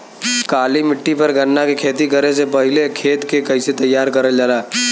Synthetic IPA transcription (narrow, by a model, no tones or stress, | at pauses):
kaːlimɪʈːipɐɾɡʱɐnːakekʰeːt̪ikɐɾesepɐɦɪlekʰeːt̪kekɐɪset̪ɐjːaːɾkɐɾəld͡ʒaːlaː